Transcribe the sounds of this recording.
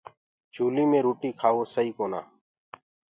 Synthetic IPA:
t͡ʃʰuːliːmẽːɾuːʈiːkʰaːʋoːsəɦiːkoːna̰ː

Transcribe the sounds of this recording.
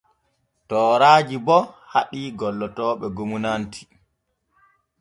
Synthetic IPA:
tɔːɾaːd͡ʒibɔhaɗiːɡɔlːɔtɔːɓɛɡomunantʰi̥

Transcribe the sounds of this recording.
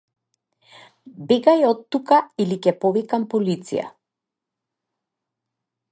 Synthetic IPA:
bɛɡajɔt̪ːukailikɛpɔvikampɔlit̪sḭja̰

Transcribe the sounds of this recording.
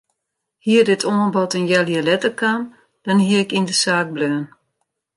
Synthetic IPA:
hiərdɪtʰoːnbɔtənjaljəlɛtəkʰam | d̥ɔnɦiəɪkindəsaːk̚bløːən

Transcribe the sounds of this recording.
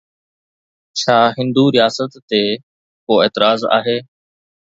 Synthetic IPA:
t͡ɕʰaːɦɪ̃nd̪uɾɪjaːsət̪ːe | koːeːt̪ɪɾaːza̰ːɦeː

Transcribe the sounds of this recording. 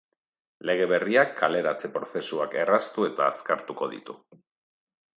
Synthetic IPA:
le̞ɣ̞e̞βe̞riakʰːale̞ɾat͡se̞pɾo̞se̞suake̞rast̪ue̞t̪aːskaɾt̪uko̞ðḭt̪u

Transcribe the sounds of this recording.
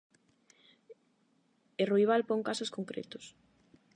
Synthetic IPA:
erujβ̞alpoŋkasoskoŋkɾḛt̪ʊ̥s

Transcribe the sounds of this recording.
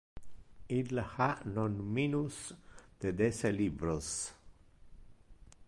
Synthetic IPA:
ilhanɔnminusd̪̥ed̪eselibɾos

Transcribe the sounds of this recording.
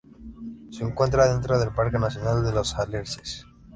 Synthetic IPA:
seːŋkwe̞nt̪ɾaðe̞nt̪ɾoðe̞lpaɾkenaθjonald̪elosaleɾses

